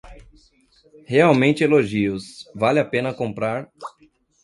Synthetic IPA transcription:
heawmẽnt͡ʃɪeloʒiʊsvalɪapẽnɐkõmpɾaɾ

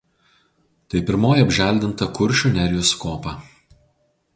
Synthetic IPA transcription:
t̪ɐɪpʲɪɾmoːjiɐbʲʒʲæˑlʲd̪ʲɪnt̪ɐkʊɾʲˑʃʲunʲɛɾʲjʊskoːpɐˑ

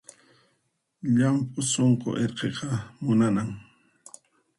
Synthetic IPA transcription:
ʎampʼʊsoɴqo̰ʔeɾqeqɑmʊnanaŋ

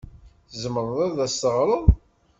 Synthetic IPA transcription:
θzəməɾˤðˤæðæsːəʁɾˤəðˤ

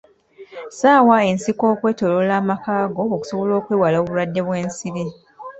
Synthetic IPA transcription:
saːwae̞nsikoːkwe̞ːto̞lolaːmakaːɡo̞ːku̥so̞βo̞lo̞ːkweːwaloːβuɾadːe̞βwe̞ːnsiɾi

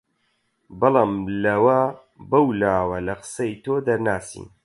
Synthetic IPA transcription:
bɨlˠaːmlɐwɐ | bɐwlaːwɐlɐqɨ̥sɐjt̪ʰoːd̪ɐɾnaːsḭːn

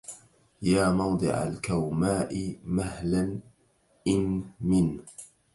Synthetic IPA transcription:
jaːmɑwd̪ˤɨ̰ʕa̰lkawmaːʔɪmahlan | ʔɪnmɪn

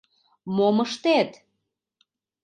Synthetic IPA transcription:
moməʃt̪et̪

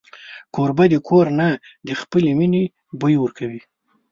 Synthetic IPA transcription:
kʰoɾbad̪ekʰoɾnad̪əxpəlemine | bəjwəɾkʰawi

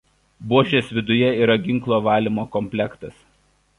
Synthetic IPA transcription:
buɔʃʲeːsʋʲɪd̪ʊjɛiːɾɐɡʲɪŋklˠoːʋɑːlʲimoːkɔmʲpʲlʲɛkt̪ɐs

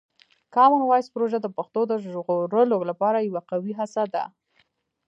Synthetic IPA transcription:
kɑmənwɑjspɾoʒad̪əpaxt̪od̪əʒɣoɾəloɡlapɑɾajawaqawiɦasad̪a̰

